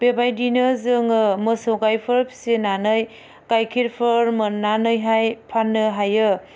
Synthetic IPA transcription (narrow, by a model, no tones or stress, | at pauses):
b̥ebajdinɯzɯŋɯmɯsowkajpʰɯɾpʰi̥senanɯj | kajkʰiɾpʰɯɾmɯnanɯjɦajpʰanːɯɦajɯ